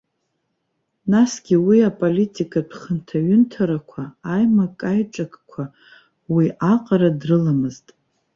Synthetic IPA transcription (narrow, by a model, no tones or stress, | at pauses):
nasɡ̥ʲiwiapʼolitʼikʼapʰχəntʰaɥʏntʰaɾakʷʰaːjmakʼajʈ͡ʂʼakʰʼkʷʰa | wiaqʼaɾadrɨlamɨztʼ